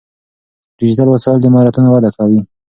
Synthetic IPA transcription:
ɾɪd͡ʒd̪alwasɑɪld̪əɪmɑɾat̪unawad̪akawi

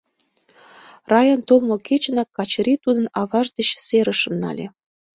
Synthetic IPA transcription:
rɑjɑnt̪olˠmŏket͡ɕ̆nɑkːɑt͡ɕ̆ɾʲit̪ud̪ə̆nɑβɑʒd̪ĕt͡ɕseɾə̆ʃɤ̆mnɑ̰lʲe

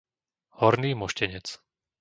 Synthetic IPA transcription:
hɔɾniːmɔʃcɛɲɛt͡s

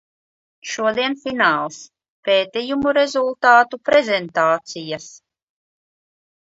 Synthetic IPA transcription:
ʃuɔd̪iɛnfinaːlˠs | peːt̪ijumuɾɛzulˠt̪aːt̪upɾɛzʲɛnt̪aːt̪sijas

